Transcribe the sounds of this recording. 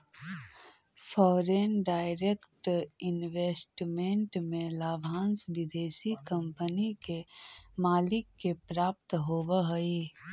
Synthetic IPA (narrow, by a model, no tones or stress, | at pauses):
pʰɔːɾenɖaːɪɾekʈɪnʋeːsʈmẽɳʈmẽlaːbʱãːnsbɪd̪eːsikə̃mpənikemaːlɪkːepɾaːp̚t̪ɦoːbəɦəi